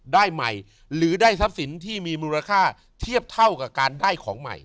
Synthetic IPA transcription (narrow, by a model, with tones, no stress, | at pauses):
daː˥˩jma̰˨˩j | ɾɯː˩˦daː˥˩jsa˦˥p̚si˩˦nt̪ʰiː˥˩miː˧muː˧ɾa˧kʰaː˥˩ | t̪ʰi˥˩əp̚t̪ʰa˥˩wka˨˩kaː˧ndaː˥˩jkʰɔː˩˦ŋma̰˨˩j